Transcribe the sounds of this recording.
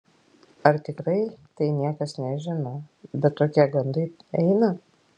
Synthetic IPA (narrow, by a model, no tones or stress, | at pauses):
ɐɾt̪ʲɪkɾɐɪt̪ɐɪnʲiɛkɐsnʲɛʒʲɪnɐbʲɛt̪t̪oːkʲiɛɡɐnd̪ɐɪɛɪnɐ